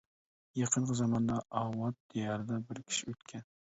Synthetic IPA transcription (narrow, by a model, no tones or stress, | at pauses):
jɑqʰənqəzɑmɑnd̪ɑɑwɑt̪̚d̪̥ijɑɾɨd̪ɑbɪɾkʲʰi̥ʃiøt̪kʲʰɛn